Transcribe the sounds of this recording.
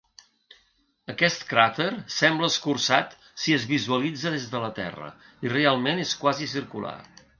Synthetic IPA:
əkɛst̪kɾat̪əɾsɛmbləəskursat̪ | siəzβizuəlid͡zəðezðələt̪ɛ̰rə̰ | irealˠmeneskwazis̬iɾkṵla̰

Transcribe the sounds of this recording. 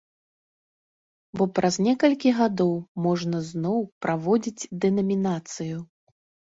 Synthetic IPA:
bɔpɾʔazʲnʲɛkɐlʲkʲiɣad̪ɔwmɔʐnɐznɔwpɾʔavɔd͡zʲid͡zʲd̪ɛnɐmʲinat̪sɨju

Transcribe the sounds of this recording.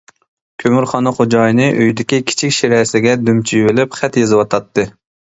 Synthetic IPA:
kʲʰømyɾχɑnɨχod͡ʒɑjnɨʔøjd̪ɪkʲikʲʰi̥t͡ʃʰikʲʃiɾɛsɪɡʲɛd̪ymt͡ʃʰijwɪlɪpχɛt̪jezɨwɑt̪ʰɑt̪ʰːɨ

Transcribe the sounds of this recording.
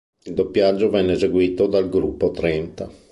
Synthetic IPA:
ild̪opːjad͡ʒːovɛnːeːzeɡwiːt̪od̪alɡɾupːot̪ɾɛnt̪a

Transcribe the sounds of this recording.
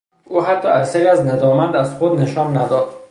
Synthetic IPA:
uɦat̪ʰːɒæɾsæɾiæzned̪ɒːmænd̪æzχod̪neʃɒnːæd̪ɒd̪̥

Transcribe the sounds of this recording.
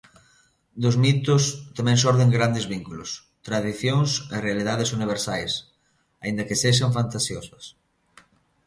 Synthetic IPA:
d̪ʊzmit̪ʊst̪amɛ̃ŋs̬ɔɾðeŋɡɾand̪ɪzβiŋkulʊs | t̪ɾaðiθjoŋserealið̞aðɪsuniβ̞eɾsajs | aind̪ɐkɪseʃ̬ɐɱfant̪asjosɐs

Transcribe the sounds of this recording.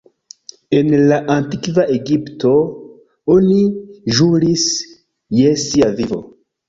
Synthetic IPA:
e̞nlaʔantikvaʔeɡipto̞ | oniʒuɾis | jesiavivo̰

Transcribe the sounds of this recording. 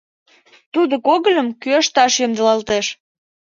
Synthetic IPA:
t̪ud̪okoɣəlʲəmkøəʃt̪ɑʃjəmd̪əlɑlt̪eʃ

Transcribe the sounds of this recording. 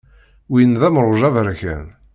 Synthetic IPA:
winðæmɾˤʊʒævəɾçə̰n

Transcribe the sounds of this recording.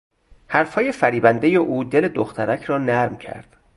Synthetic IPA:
hæɾfhɒːje̞fæɾiːbænd̪ejeʔuːd̪e̞le̞d̪oxt̪ʰæɾæcʰɾɒːnæɾmcʰæ̰ɾd̪̥

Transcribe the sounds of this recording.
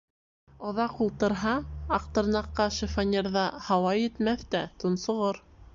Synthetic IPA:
ŏðɑqulˠt̪ɤ̆ɾɦɑɑqt̪ɤ̆ɾnɑqːɑʃɘ̆fanʲeɾðɑhɑwɑjɘ̆t̪mæθt̪æt̪ŏnsŏʁoɾ

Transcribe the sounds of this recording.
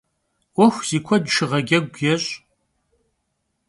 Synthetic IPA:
ɔxʷz̥iːkʷʰɔdʃɪʁɐɡʲɐɡʷjɛɕʼ

